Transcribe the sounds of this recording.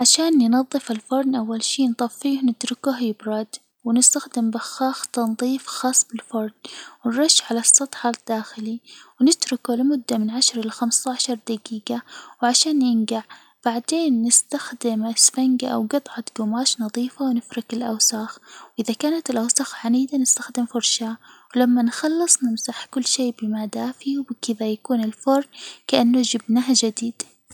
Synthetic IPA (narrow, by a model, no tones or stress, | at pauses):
ʕaʃaːnjnɑðˤːɨfɪlfʊɾˤnʔawːalʃiːnt̪ˤɑːfːiːhnɪt̪ɾʊkʊɦjɪbɾˤɑd̪ | wɪnɪst̪axd̪ɪmbaxːɑːxt̪ɑnðˤiːfxɑːsˤbɪlfʊɾˤnwɪnɾˤɑʃːʕalɑsˤːɑt̪ˤħɑd̪̥ːaːxɪliwnɪt̪ɾʊkulɪmʊd̪ːamɪnʕaʃɾˤɪlaxamst̪aʕaʃɑɾˤd̪aɡiːɡawʕaʃaːnjɪnɡaʕ | b̥aʕd̪eːnːɪst̪axd̪ɪmɪsfaŋɡaʔa̰wɡɑt̪ˤʕɑt̪ɡʊmaːʃnɑðˤiːfawnɪfɾɑkɪlʔa̰wsaxwʔɪðakaːnat̪ɪlʔawsaxʕaniːd̪anɪst̪axd̪ɪmfʊɾʃawɪlamːanxɑlːɨsˤnɪmsaħkʊlːʃeːbɪmaːd̪aːfiwbɪkɪðajakuːnɪlfʊɾˤnkaʔanːʊd͡ʒɪbnaɦad͡ʒad̪iːd̪̥